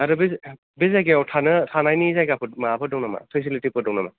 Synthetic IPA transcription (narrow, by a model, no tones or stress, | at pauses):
aɾube | bezajɡeɔwtʰanɯtʰanajnizajɡapʰɯmaapʰɯdɔwnama̰pʰes̬ilitipʰɯdɔwnama̰